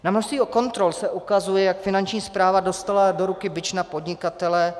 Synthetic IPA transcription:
namnoʃst̪viːoko̞nt̪ɾo̞lsɛʔukazujɛjakfɪnant͡ʃɲiːspɾaːvado̞st̪alado̞ɾukɪbɪt͡ʃnapodɲɪkat̪ɛlɛ

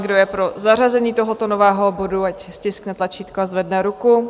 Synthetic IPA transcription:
ɡdo̞jɛpɾo̞zar̝azɛɲiːt̪o̞ɦot̪o̞novɛːɦo̞boduacscɪsknɛt̪lat͡ʃiːt̪koazvɛdnɛɾuku

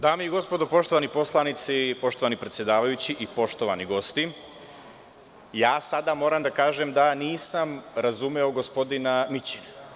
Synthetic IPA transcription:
d̪aːmeiɡo̞spo̞d̪opo̞ʃt̪o̞ʋanipo̞slˠanit̪sipo̞ʃt̪oʋanipɾet̪sjed̪aːʋajut͡ɕiʔipo̞ʃt̪oʋaniɡo̞st̪i | jaːsad̪amo̞ːɾamd̪akaːʒemd̪aniːsamɾazumeoɡo̞spo̞d̪inamit͡ɕin

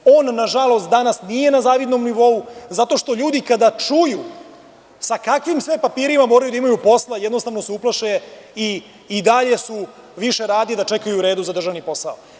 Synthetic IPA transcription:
oːnːaʒalo̞st̪̚d̪anasnije̞nazaːʋid̪no̞mniʋo̞uzat̪o̞ʃt̪o̞ʎuːd̪ikad̪at͡ʂuju | sakakʋimsʋepapiːɾimamo̞ːɾajud̪aimajupo̞slˠajɛd̪nost̪aʋno̞seuplˠaʃeiː | d̪aʎe̞su | ʋiʃe̞ɾaːd̪id̪at͡ʃe̞kajuːɾeːd̪uzad̪r̩ʒaʋnipo̞sao

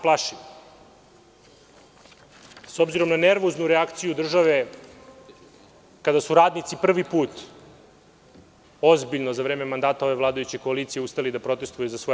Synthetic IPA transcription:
plaʃi | so̞bziɾo̞mnaneɾʋoznuɾeakt̪sijud̪r̩ʒaʋe | kad̪asuɾaːd̪nit̪sipr̩ʋipuːt̪ | o̞zbiʎnozaʋɾeːmemand̪aːt̪aoʋe̞vlˠaːd̪ajut͡ɕekoaliːt̪sijeust̪alid̪apɾo̞t̪e̞st̪vujuzasʋo

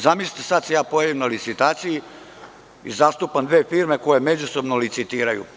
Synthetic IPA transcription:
zamisli̥t̪esad̪sejaːpo̞jaʋimnalit̪sit̪aːt̪siji | ḭzaːst̪upand̪ʋeːfiːɾme̞ko̞jeme̞d͡ʑusobnolit̪sit̪iːɾajṵ

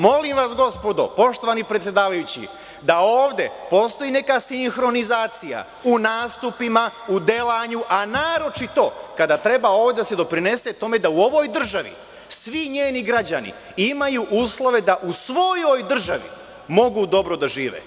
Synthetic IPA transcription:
mo̞limʋasɡo̞spo̞d̪o̞̰po̞ʃt̪o̞ʋanipɾet̪sjed̪aːʋajut͡ɕḭ | d̪aoːʋd̪e̞̰po̞st̪o̞ine̞kasiŋxɾo̞nizaːt̪sija̰ | unaːst̪upimaud̪elaɲuʔanaːɾo̞t͡ʃit̪o̞kad̪aːt̪ɾe̞bao̞ːʋd̪ʲed̪ase̞d̪o̞pɾine̞set̪o̞me̞d̪auo̞ʋo̞jd̪r̩ʒaʋḭ | sʋiɲeːniɡɾad͡ʑanḭ | imajuʔuːslˠo̞ʋe̞d̪aʔusʋo̞jo̞jd̪r̩ʒaʋḭ | mo̞ɡud̪o̞bɾo̞d̪aʒiːʋḛː

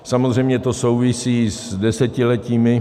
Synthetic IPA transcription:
samozrɛjmɲɛt̪o̞so̞wvɪsiːzdɛsɛcɪlɛciːmɪ

